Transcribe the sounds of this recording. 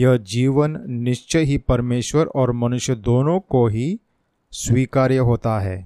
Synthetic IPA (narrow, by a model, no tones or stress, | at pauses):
jɐɦd͡ʒiːʋənːɪʃt͡ʃəɦipɐɾmeːʃwəɾɔːɾmɐnʊʃjəd̪oːnõkoɦi | sʋiːkaːɾjəɦoːt̪aɦɛː